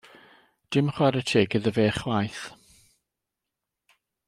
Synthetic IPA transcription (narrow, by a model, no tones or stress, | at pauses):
d̥ɪmχwaɾətʰeːɡəðəveːχlajθ